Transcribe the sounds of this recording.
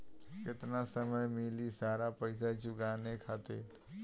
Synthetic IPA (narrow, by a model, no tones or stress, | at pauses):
ket̪nasəməjmilisaɾapəɪsat͡ʃuɡanekʰat̪e